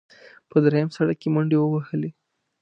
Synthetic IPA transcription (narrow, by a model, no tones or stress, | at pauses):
pəd̪ɾajamsaɽakːeməɳɖewəwahəle